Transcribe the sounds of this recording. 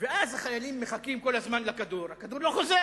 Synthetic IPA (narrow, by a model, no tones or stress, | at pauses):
veʔazhaχajalimːeχakimko̞lazmanlakad̪uʁhakad̪uʁloχo̞ze